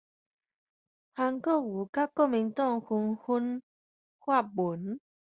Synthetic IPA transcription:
ha˧ŋkɔ˥˦˨wu˨˩ka˦kɔ˥˦˨mi˨˧nt̪ɔ˥˧˨ŋhu˧nhu˦n | hwa˥˦˨bu˨˦n

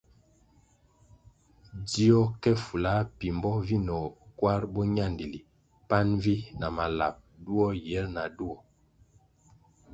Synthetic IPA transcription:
di˦ɔ˦kɛ˦fu˨la˨˦pi˨mbɔ˦vi˦nɔ˨kwa˦ɾbɔ˦ɲa˦˨ndi˨li˨ | pa˦nvi˦na˨ma˨la̰˨p̚du˦ɔ˦jɛ˨˦lna˨du˦ɔ˨

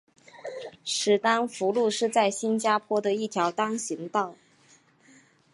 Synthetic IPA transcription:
ʂɻ̩˨˩t̪a˥nfu˧˥lu˥˧ʂɻ̩˥˧t͡sa˥˩ɪɕi˥nt͡ɕja˥pʰwɔ˥d̪ə˨i˥˩t̪ʰjɑ˧˥ʊt̪ɑ˥ŋɕi˧˥ŋt̪ɑ˥˩ʊ

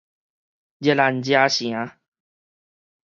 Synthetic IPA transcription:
d͡ʑe˧la˧nd͡ʑja˦ɕj̃ã˨˦

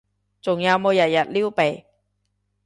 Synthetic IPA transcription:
t͡sʊ˨ŋjɐ˨˧wmo˨˧wjɐ˨t̚jɐ˨t̚liː˥wpe˨˩j

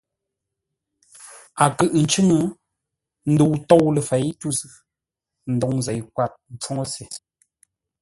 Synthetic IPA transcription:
a˨kɨ˦ʔn̩˨t͡ʃʉ˦ŋə˦ | n̩˦du˨wtɔ˦˨wlə˨fɛ˨˦jtu˦˨zʉ˨ | n̩˨dɔ˨ŋ˨zɛ˨jkwa˦˨t̚n̩˨t͡ʃwɔ˦ŋo˦se˨

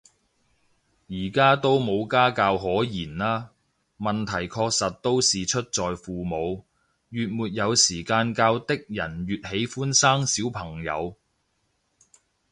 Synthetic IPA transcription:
jiː˨˩kaː˥t̪o˥wmo˨˧wkaː˥kaː˧wɦɔː˨˥jiː˨˩naː˥ | mɐ˨nt̪ʰɐ˨˩jkʰɔː˧k̚sɐ˨t̚t̪o˥wsiː˨t͡ʃʰɵ˥t̚t͡sɔː˨jfuː˨mo˨˧w | jyː˨t̚muː˨t̚jɐ˨˧wsiː˨˩kaː˧nkaː˧wt̪ɪ˥k̚jɐ˨˩nɥyː˨t̚he˨˥jfuː˥nsaː˥ŋsiː˨˥wpʰɐ˨˩ŋjɐ̰˨˧w

